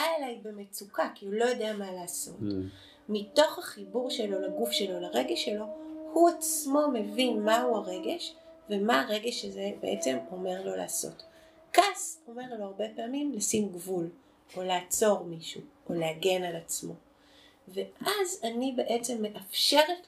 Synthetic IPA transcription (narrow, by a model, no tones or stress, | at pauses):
aelajbemet͡sukakiulo̞jodeamalaːso̞̰t | mito̞χhaχibuʁʃelo̞laɡufʃe̞lo̞laʁe̞ɡeʃelo̞huat͡smo̞me̞vinmauaʁe̞ɡeʃvemaːʁeɡe̞ʃezebeʔet͡se̞mo̞me̞ʁlo̞la̰ːso̞̰t | kaso̞me̞ʁlo̞aʁbe̞paamimlasimɡvul | oleaat͡so̞ʁmiʃuoleaɡe̞nalat͡smo̞ | ve̞ʔazanibe̞ʔet͡se̞mːe̞ʔafʃe̞ʁe